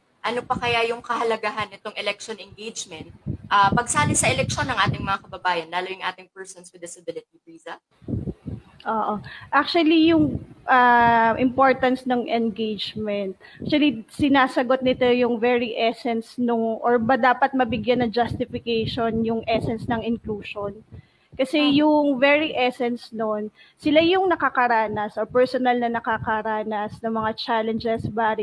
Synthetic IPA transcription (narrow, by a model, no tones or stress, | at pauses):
ʔɐnopɐkɐjajʊŋkɐhɐlɐɡaɦɐnːɪt̪o̞ŋɛlɛk̚ʃonɛnɡejd͡ʒmɛnt̪̚ʔapɐɡ̚saːnɐsɐɛlɛk̚ʃo̞nɐŋʔaːt̪ɪŋmɐŋakɐbɐbaːjɐnlaːlojʊŋʔaːt̪ɪŋpɛɹsonswɪd̪ɪsɐbɪlɪt̪̚it̪ɾiːzɐ | ʔoːʔoʔak̚t͡ʃuwɐlijʊŋʔaʔɪmpo̞ɹt̪ɐnsnɐŋʔɛnɡejd͡ʒmɛnt̪̚ak̚t͡ʃʊɐlisɪnaːsɐɡot̪̚nɪt̪ojʊŋvɛɹiʔɛsɛnsnʊŋʔoɹbɐd̪aːpɐt̪̚mɐbɪɡjanːɐŋd͡ʒɐst̪ɪfɪkejʃonjʊŋʔɛsɛnsnɐŋɪnkluːʃon | kɐsɛjʊŋvɛɹiʔɛsɛnsnon | sɪlajʊŋnɐkɐkɐɾaːnɐsʔopɛɹsonɐlnɐnɐkakɐɾaːnɐsnɐŋmɐŋat͡ʃalɛnd͡ʒɛsbaːɾi